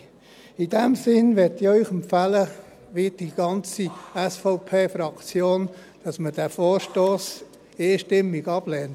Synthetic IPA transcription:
ɪd̥ɛmsɪnʋɪtœʏχəmfælə | ʋid̥iɡ̥ɑnt͡siɛsfɔʊpʰeːfɾɑkt͡sjoːn | d̥ɑsməd̥æfoːɾʃtoːs | eːʃtɪmːiɡɑb̥lɛːnt

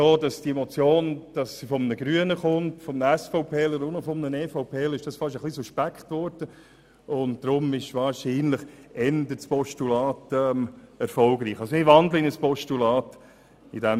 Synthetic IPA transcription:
soːdɑsd̥iemɔt͡sjoːnd̥ɑsːifɔmənəɡɾyənəχʊntfɔmnəæsfɔʊpʰeːləɾʊnofɔmnəneːfɔʊpʰeːlɪʃd̥ɑsfɑʃ̬əχlisuʃpækχtʋɔɾd̥ə | ʊnt̚d̥ɾʊmɪʃʋɑːɾʃiːnləχɛndətspɔʃtulɑːtɛmɛɾfɔlɡɾiːχɑls̬ɔɪʋɑndləɪnəspɔʃtulɑːt | idɛm

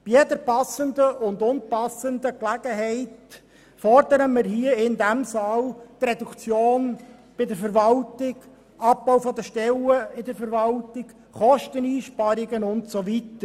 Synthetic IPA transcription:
b̥ijɛdəɾpɑsəndəʔʊnd̪ʊnpɑsəndəklæɡ̥əɦɛɪt | fɔrd̥̪əɾəməɾɦiəɪndæmsɑːlt̪redukt͡sjoːnb̥ɪdəɾfəɾʋɑltɪɡ | ɑp̚bɔwfɔd̪əʃtɛləɪdəɾfəɾvɑltɪk | χɔʃtəniːʃpɑɾɪɡənʊntsovitəɾ

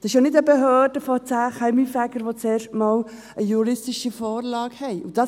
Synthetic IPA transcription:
d̥̪ɑsɪʃjanɪdəbɛɦœːd̥əfɔt͡sæːχɛɪmifækəɾʋot͡sɛːɾʃtmɑːl | əjuɾɪstɪʃifɔːɾlɑːkhɛɪud̥ɑ

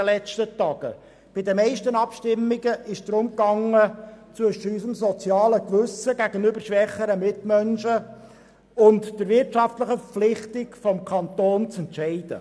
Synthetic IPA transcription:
əlɛt͡stətɑːɡ̥ə̰ | b̥ɪdəmɛɪʃtənɑpʃtɪmːiɡəʔɪʃd̥ɾʊmkɑŋːət͡sʋɵʃəysəmsɔt͡sjɑːləkʋʉsəɡæɡənʏbəɾʃʋɛχːəɾəmɪtmœnʃə | ʊntd̥əɾʋɪrtʃɑftləχəfəp͡flɪχtɪkfɔmkʰɑnt̪oːnt͡sɛntʃɛɪd̥ə̰

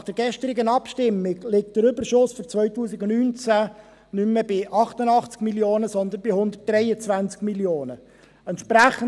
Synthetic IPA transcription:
nɑχd̥əɾɡɛʃtəɾɪɡənɑpʃtɪmːɪɡlɪk̚td̥əɾʏbəɾʃʊsfɔɾt͡sʋœʏɥtuːsɪɡʊnnyːnt͡sæ | nʏmːəbɪʔɑχtənɑχt͡skmiljoːnəsɔnd̪ənbɪhʊnd̪ət̚d̥rɛjət͡svænt͡skmiljoːnə | ɛntʃpɾæχə

